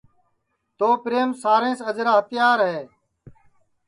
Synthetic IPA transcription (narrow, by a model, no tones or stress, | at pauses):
t̪oːpɾeːmsaːɾẽːsəd͡ʒɾaːɦət̪ɪjaːɾɦɛː